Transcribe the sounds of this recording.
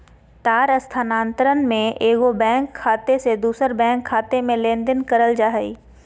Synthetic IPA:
t̪aːɾəst̪ʰanãːnt̪əɾənmẽʔeːɡobɛ̃ːŋkʰːaːt̪esed̪uːsəɾbɛ̃ːŋkʰːaːt̪emẽlẽːnd̪ɪnkəɾəld͡ʒaːɦəḭː

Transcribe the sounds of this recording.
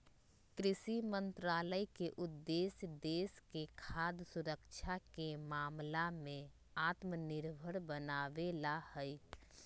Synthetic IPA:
kɾɪsimə̃nt̪ɾaːləikeʔʊd̪ːesd̪eːskekʰad̪suɾəkt͡ʃʰakemaːmlamẽ | at̪mənɪɾbʱəɽbənaːʋelahəj

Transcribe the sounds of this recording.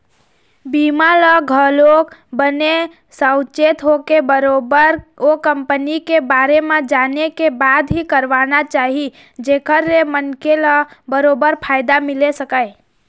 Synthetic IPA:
bimaləɡʱəlokbəne | səʊt͡ʃet̪ɦokebəɾobəɾokəmpənikebaɾemẽd͡ʒanekebad̪ɦikəɾʋanat͡ʃaɦi | d͡ʒekəɾːemənkeləbəɾobəɾpʰaɪd̪amilesəkəɪ

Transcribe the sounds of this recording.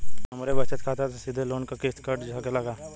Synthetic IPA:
ɦɐmɾebɐt͡ʃət̪kʰaːt̪at̪osid̪ʱeloːnkakest̪kɐɾʈd͡ʒʱakelɐɡaː

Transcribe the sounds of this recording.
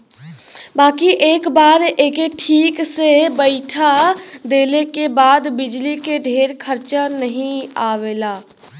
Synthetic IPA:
baːkiʔeːkbaːɾeːkeʈʰiːksebəɪʈʰad̪eːlekebaːd̪bɪd͡ʒlikeɖʱeːɾkʰəɾt͡ʃanəɦĩaːʋeːlaː

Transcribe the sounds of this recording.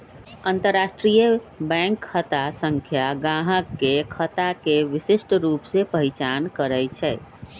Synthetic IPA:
ənt̪əɾːasʈɾijəbɛ̃ŋkʰːət̪asəŋkʰjaɡãɦəkːekʰət̪akeʋisisʈɾupsepəɦit͡ʃankəɾɛjt͡ʃʰɛɪ

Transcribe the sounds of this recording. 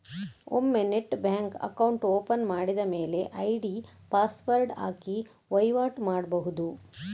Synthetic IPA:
o̰mːeneʈbaːŋkɐ̰kɐwuɳʈoːpɐnmaːɽid̪ɐme̞ːle̞ʔɐjɖi | paːspɐɾɖa̰ːki | ʋɐjʋaːʈmaːɽbɐɦud̪u

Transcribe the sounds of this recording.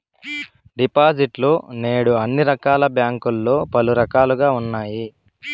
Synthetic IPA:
ɖipaːd͡ʒiʈloːne̞ːɽuɐnːiɾɐkaːlɐbjaːŋkulːo̞ːpɐluɾɐkaːluɡaːunːaːji

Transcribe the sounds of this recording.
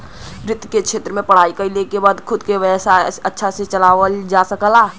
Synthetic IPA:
ɾɪt̪kekʃʰeːt̪ɾəmẽpəɽ̤aːikəilekebaːd̪kʰʊd̪keʋɛːsaətːʃʰaset͡ʃəlaːʋəld͡ʒasəkəlaː

